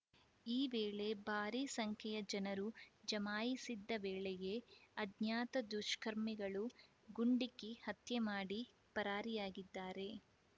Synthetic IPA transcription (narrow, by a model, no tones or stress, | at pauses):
iːʋeːɭe̞bʱaːɾiːsɐŋkʰɛjɐd͡ʒɐnɐɾud͡ʒɐmaːjisid̪ːɐʋeːɭɛɡe̞ɐd̪njaːt̪ɐd̪uʃkɐɾmiɡɐɭu | ɡuɳɖikːihɐt̪jemaːɽi | pɐɾaːɾijaːɡid̪ːaːɾe̞